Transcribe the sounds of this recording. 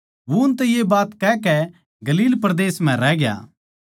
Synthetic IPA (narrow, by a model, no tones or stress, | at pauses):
ʋoʊnt̪ɛjebaːt̪kɛkɛ | ɡɐliːlpɾɐd̪eːsm̤ɛ̃ɾɛːɡja̰ː